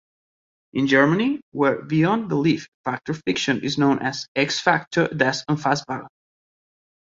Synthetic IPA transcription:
ʔɪ̃nd͡ʒɜɹməniwɛɹbiɔ̃nðəliffak̚təɹfɪkʃə̃nɪ̰znõʊ̃nʔæzɛksfak̚tʰə˞d̪æsə̃nfasbaɹ

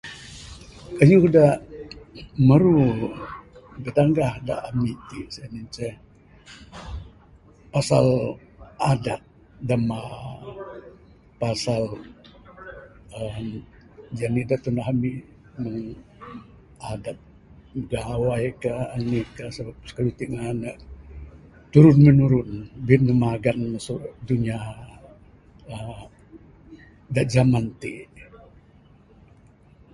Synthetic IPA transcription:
kajuudah | məɾu | bət̪aŋɡahda̰ʔamit̪isamint͡ʃɛh | pasal | adat̚ | dama | pasal | əm | d͡ʒanidat̪unaɦami | məŋ | adap̚ | əɡawakaːnikasəbap̚sə̥kawit̪iʔŋanaʔ | t̪uɾʊnmənuɾʊnbit̪̚məmaɡansuduɲa | ə | daʔd͡ʒamant̪iʔ

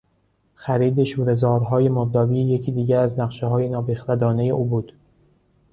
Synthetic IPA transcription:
xæɾiːd̪eʃuːɾe̞zɒːɾɦɒːje̞moɾd̪ɒːbiːjecʰiːd̪iːɟæɾæznæqʃeɦɒːjenɒːbexɾæd̪ɒːne̞je̞ʔuːbuːd̪̥

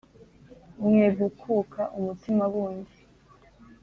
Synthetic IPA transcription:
mŋebɡukʰukʰaʔumutimaβuːɲdi

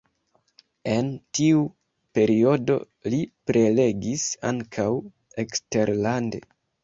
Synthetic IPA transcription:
e̞ntiu | pe̞ɾio̞do̞̰ | lipɾe̞le̞ɡisa̰ŋkʰaw | ekste̞ɾlande̞̰

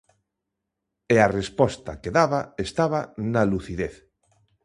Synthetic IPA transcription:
earespɔst̪akeðaβaest̪aβanaluθiðeθ

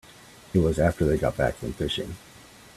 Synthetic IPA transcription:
ɨt̚wʌzæftə˞ðeɪɡɑ̰t̚b̥æ̰kfʌ̃ɱfɪʃɪ̰̃ŋ

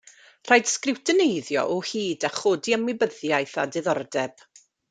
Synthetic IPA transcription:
r̥ajd̥skrɪwtʰənejðjɔ̰ʔɔhiːdaχoːdiəmwɪbəðjajθadɪðɔrdɛb̥

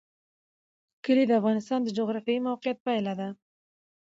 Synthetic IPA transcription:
kʰɪlid̪afʁɑnɪst̪ɑnd̪ɪd͡ʒoʁɾafijimawqijat̪̚pɑjlad̪ɪ

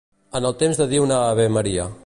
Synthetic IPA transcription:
ənəlˠt̪emzðəðiwnaːβeməɾiə

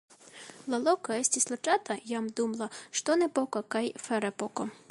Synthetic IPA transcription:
lˠɐlˠɔkɐɛsʲtʲislˠɐt͡ʃɑt̪ɐjamd̪umlˠɐʃt̪ɔnɛpɔkɐkɑjfɛɾɛpɔkɔ

